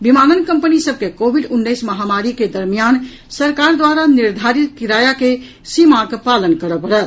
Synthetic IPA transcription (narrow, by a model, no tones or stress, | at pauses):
bimanənkəmpənisəb̚kekobʱiɖunːəjsməɦamaɾiked̪əɾmijan | səɾkaɾd̪waɾaniɾd̪ʱaɾit̪̚kiɾajake | simakpalənkəɾəpəɽət̪